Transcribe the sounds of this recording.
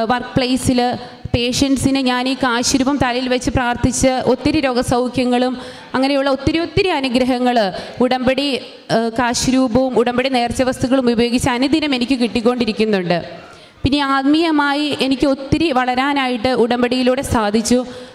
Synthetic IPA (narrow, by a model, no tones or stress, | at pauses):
ʋɐrkpɭejsil | pe̞ːʂɐnɖɨsinɨɲaːniːkaːɕɾuːbɐmt̪ɐlɐjilʋɐt͡ɕːɨpraːrt̪it͡ɕːɨʔo̞t̪ːiɾɨɾo̞ːɡɐsɐwkʰjɐŋːɐɭum | ɐŋːɐnejuɭːɐo̞t̪ːiɾio̞t̪ːiɾiɐnuɡɾɐɦɐŋːɐɭuɽɐmbeɽi | kaːɕɾuːbɐʋumuɽɐmbeɽine̞ːrt͡ɕːɐʋɐst̪uɣɐɭumubɐjo̞ːɡit͡ɕːɐɐnud̪inɐme̞nikʲːɨkiʈːik̬ʲːo̞ːɳɖiɾikʲːunːuɳɖɨ | pinːeaːd̪mijɐmaːjiʔe̞nikʲːɨo̞t̪ːiɾiʋɐɭɐɾaːnaːjiʈːɨʔuɽɐmbeɽijiluːɽe̞saːd̪ʱit͡ɕːu